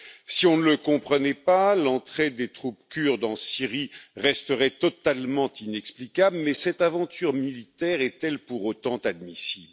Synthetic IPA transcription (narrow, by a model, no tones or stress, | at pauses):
siɔ̃nələkɔ̃pχənɛpalɑ̃t̪χed̪et̪χupkʲyʁd̪ɑ̃siʁiʁɛst̪əʁɛt̪ɔt̪almɑ̃t̪inɛksplikʲabləmɛsɛt̪avɑ̃t̪yʁmilit̪ɛʁɛt̪ɛlpuʁot̪ɑ̃t̪ad̪misiblə